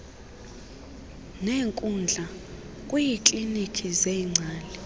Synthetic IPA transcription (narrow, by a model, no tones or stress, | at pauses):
neːŋkʼund͡ɮʱa | kʼwujit͡ɬʼinitʰizeŋ͡ǀʱaːlɛ